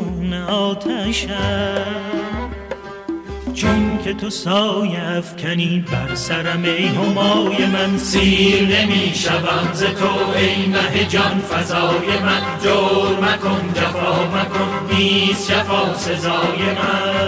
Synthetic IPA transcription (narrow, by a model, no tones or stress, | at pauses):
uneɒːt̪ʰæʃæ | t͡ʃʰonkʰet̪ʰosɒːjeæfcʰæniːbæɾsæɾæme̞jɦomɒːjemænsiːɾnemiːʃævæmzet̪ʰoejnæɦed͡ʒɒnfæzɒːjemænd̪oɾmækʰond͡ʒafɒːmækʰonbiːsʃæfɒːsezɒːjemæ